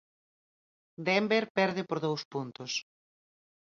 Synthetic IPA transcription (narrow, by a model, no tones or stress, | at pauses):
d̪ɛmbeɾpɛɾð̞ɪpoɾðowspunt̪ʊs